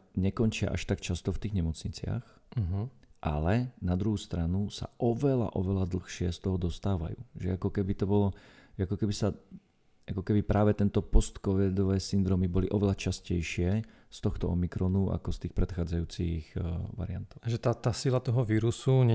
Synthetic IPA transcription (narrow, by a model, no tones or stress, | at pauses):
ɲɛkɔnt͡ʃɪa̰ʔa̰ʃt̪akt͡ʃast̪ɔft̪iːɣɲɛmɔt͡sɲit͡sɪa̰x̩ | ɦ̩ʔa̰lɛnad̪ɾuɦuːst̪ɾanusa̰ʔɔʋɛla̰ʔɔʋɛlad̪l̩xʃɪɛst̪ɔɦɔd̪ɔst̪aːʋa̰jṵːʒɛakɔkɛbit̪ɔbɔlɔʒɛakɔkɛbisa | akɔkɛbipɾʔaːʋɛt̪ɛnt̪ɔpɔst̪kɔʋid̪ɔʋɛːsind̪ɾɔmibɔliʔɔʋɛlat͡ʃascɛjʃɪɛ | st̪ɔxt̪ɔɔmikɾɔnua̰kɔst̪iːxpɾɛt̪xaːd͡zajuːt͡sḭɣʋa̰ɾɪant̪ɔʊʒɛt̪at̪aːsilat̪ɔɦɔʋiːɾusuɲ